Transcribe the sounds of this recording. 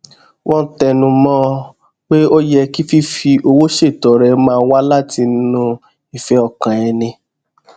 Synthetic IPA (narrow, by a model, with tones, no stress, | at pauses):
wɔ̃˦n̩˦tɛ˧nũ˧mɔ̃˦˧ | k͡pe˦o˦jɛ˧ki˦fi˦fi˧o˧wo˦ʃe˦˨tɔ˨ɾɛ˨˧mãː˦˧˦wa˦la˦ti˧n̩˦nũ˧ | i˨fɛ˨˦ɔ˧kã˨ɛ˧nĩ˧